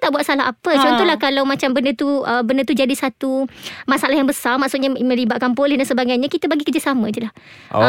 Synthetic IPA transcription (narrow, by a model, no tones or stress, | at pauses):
t̪aʔbuat̪salaapət͡ʃɔnt̪ɔɦlahkalawmat͡ʃambəndət̪uəbəndət̪ud͡ʒadisat̪umãsalahjaŋbəsarmaksut̪̚ɲamə̃libat̪̚kanpolɛhdansəbaɡajɲãkit̪əbaɡikərd͡ʒasamə̃it̪ulah